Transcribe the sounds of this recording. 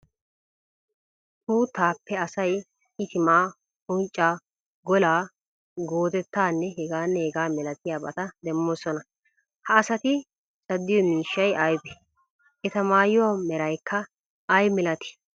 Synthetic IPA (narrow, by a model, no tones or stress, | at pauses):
t̪uːt̪aːpːɛɐsɐj | ɪt̪ɪmaː | ʊnt͡ʃʼːaː | ɡɔlaː | ɡo̞ːd̪ɛt̪ːaːnːɛɦɛɡaːnːɛhɛɡaːmɛlɐt̪ɪjaːbɐt̪ɐd̪ɛmːoːsɔnɐ | hɐːsɐt̪ɪ | t͡sʼɐd̪ːɪjɔmiːʃːɐjɐjbɛ | ʔɛt̪ɐmaːjɪwamɛɾɐjkʰːɐ | ɐjmɪlɐt̪ɪ̥